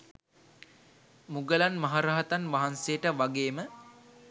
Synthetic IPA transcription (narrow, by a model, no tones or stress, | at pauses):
muɡəlanmaɦaɾaɦat̪anʋaɦansejəʈəʋaɡeːmə